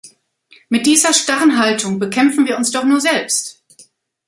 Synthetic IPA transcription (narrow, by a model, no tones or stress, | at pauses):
mɪt̚d̥iːzɐʃtaʁənɦaltʰʊŋbəkʰɛmfn̩viːɐʊnsd̥ɔχnuːɐzɛlpst